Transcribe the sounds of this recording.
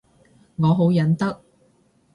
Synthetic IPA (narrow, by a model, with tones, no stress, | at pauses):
ŋɔː˨˧ɦo˨˥wjɐ˨˥nt̪ɐ˥k̚